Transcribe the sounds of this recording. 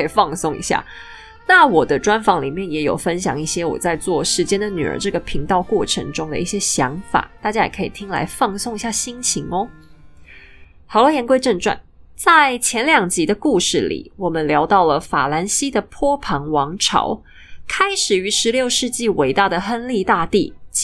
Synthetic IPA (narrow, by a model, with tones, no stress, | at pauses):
ə˥i˨˩fɑ˥˧ŋsʊ˥˩ŋḭ˧˥ɕja̰˥˩ | na˥˩wɔ˨˩d̪ə˦ʈ͡ʂwa˦˥nfɑ˧˥ŋlḭ˨˩mjɛ˥˩njɛ˧˥jo˨˩ʊfə˦nɕjɑ̰˨˩ŋi˥˩ɕjɛ˥wɔ̰˨˩t͡sa˥˧ɪt͡swɔ˥˩ʂɻ̩˧˥t͡ɕjɛ˥nd̪ə˨ny̰˨˩ə̰˧˥ʈ͡ʂɤ˥˩ɡə˩pʰi˧˥ŋt̪ɑ˥˧ʊkwɔ˥˩ʈ͡ʂʰɤ̰˧˥ŋʈ͡ʂʊ˥ŋd̪ə̰˨i˥˩ɕjɛ˥ɕjɑ̰˧˥ŋfa̰˨˩˦t̪a˥˩t͡ɕja˥jɛ˨˩kʰɤ˧˥ḭ˨˩t̪ʰi˥ŋla̰˧˥ɪfɑ˥˧ŋsʊ˥˩ŋi˧˥ɕja˥˩ɕi˥ŋt͡ɕʰi˧˥ŋɔ˦ | hɑ˨˩ʊlə˧˥jɛ˧˥nkwe˥ɪʈ͡ʂə˥˧ŋʈ͡ʂwa̰˥˩nt͡sa˥˩ɪt͡ɕʰjɛ˧˥nljɑ˨˩ŋt͡ɕi˧˥d̪ə˧ku˥˧ʂɻ̩˥˩lḭ˨˩wɔ˨˩mə˦nljɑ˧˥ʊt̪ɑ˥˩ʊlə˩fa̰˨˩la˧˥nɕi˥d̪ə˨pʰwɔ˥pʰɑ˧˥ŋwɑ˧˥ŋʈ͡ʂʰɑ̰˧˥ʊ | kʰa˥ɪʂɻ̩˨˩y˧˥ʂɻ̩˧˥ljo˥˧ʊʂɻ̩˥˧t͡ɕi˥˩we˧˥ɪt̪a˥˩d̪ə˩xə˥nli˥˧t̪a˥˧t̪ḭ˥˩